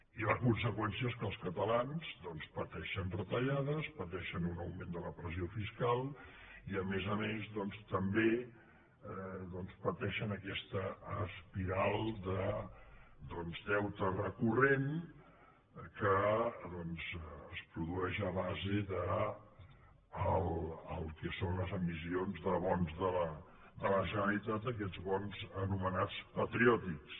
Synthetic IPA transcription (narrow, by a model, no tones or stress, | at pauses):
iləkunsəkwɛnsiəeskəlˠskət̪əlanzd̪ɔnspət̪ɛʃənrət̪əʎaðəspət̪ɛʃənunəwmẽnd̪ələpɾəziofiskalˠ | iəmezəmezðɔnst̪əmbe | ðɔnspət̪ɛʃənəkɛst̪əːspiɾalˠd̪ə | d̪ɔnzd̪ɛwt̪ərəkuren | kəðɔnzəspɾuðuɛʃəβazeðə | ələlˠkɛsonləzəmisionzðəβɔnzðələ | d̪ələʒənəlit̪at̪̚ək̬ɛd̪zβɔnzənumənat͡spət̪ɾiɔt̪iks